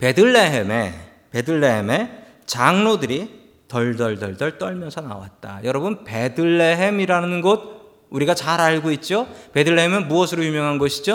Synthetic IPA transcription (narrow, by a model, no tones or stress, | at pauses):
pe̞dɯɭːe̞ɦeme | pe̞dɯɭːe̞ɦeme̞ | t͡ɕaŋnodɯɾi | tʌɭdʌɭdʌɭdʌɭt͈ʌɭmjʌnsʰʌna̰wa̰t̚t͈a̰jʌɾʌbunpe̞dɯɭːe̞ɦemiɾanɯnɡʌt̚ | uɾiɡat͡ɕaɾaɭɡoit̚t͡ɕ͈ope̞dɯɭːeɦemɯnmuʌsʰɯɾojumjʌŋɦanɡʌɕʰid͡ʑo